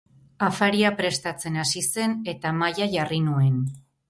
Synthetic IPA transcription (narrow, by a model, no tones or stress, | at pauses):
afaɾiapɾe̞st̪at͡se̞nasise̞ne̞t̪amajaʝarinue̞n